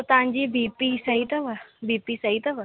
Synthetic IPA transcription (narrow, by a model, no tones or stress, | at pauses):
ot̪ãɲd͡ʑibipisɐɦit̪ɐʋəbipisɐɦit̪ɐʋə